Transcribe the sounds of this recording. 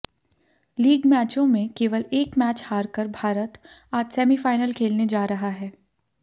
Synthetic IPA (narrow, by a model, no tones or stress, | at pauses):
liːɡmɛːt͡ʃõmẽkeːʋəleːkmæːt͡ʃhaːɾkəɾbʱaːɾət̪aːd͡ʒsɛːmifaːɪnəlkʰeːlned͡ʒaːɾɐɦaɦɛː